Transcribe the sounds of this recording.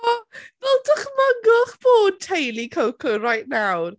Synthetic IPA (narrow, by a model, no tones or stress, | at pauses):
ɔvɛlˠdəχməɡʊχb̥oːd̚tʰejlikʰəwkʰərajʔnawr